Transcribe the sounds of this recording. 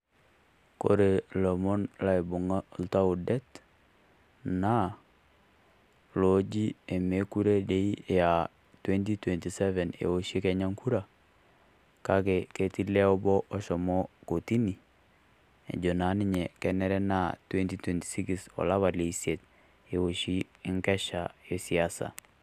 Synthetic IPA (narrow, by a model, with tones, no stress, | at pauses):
ko̰˨ɾe˨lɔ˨mɔ˦nla˦i˨bʊ˨ŋa˦lta˦u˨dɛ˦t | na˦ | lod͡ʒi˦e˨me˦ku˦ɾe˦de˨˦i˦ja˨ | twɛ˦nti˦twɛ˨nti˨sɛ˦vɛ˨nḛ˨o˦ʃi˦kɛ˨ɲa˦ŋkʰu˦ɾa˨ | kakɛ˨ke˨ti˦lɛ˦ɔ˦bɔ˦ʔɔ˦ʃɔ˨mɔ˦ko˨ti˦ni˨ | ḛ˨d͡ʒo˨na˨˦nɪ˦ɲɛ˨kɛ˨nɛ˦ɾɛ˦na˦twɛ˦nti˦twɛ˨nti̥˨si˦kisɔ̰˨la˦βa˨le˨sje˨t̚ | e˨o˨ʃi˦ | ŋkɛ˦ʃa˨e˨siasa̰˨